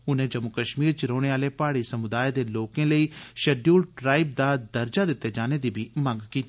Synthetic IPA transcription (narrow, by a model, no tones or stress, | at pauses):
ʊnẽːd͡ʒəmʊkəʃmiːɾt͡ʃɾoːɽ̃eːaːleːpaːɽiːsəmʊd̪aːjed̪eːloːkẽːləiːʃəɖjuːlʈɾaːib̚d̪aːd̪əɾd͡ʒaːd̪ɪt̪ːeːd͡ʒaːneːd̪iːbʱiːmə̃ŋɡkiːt̪i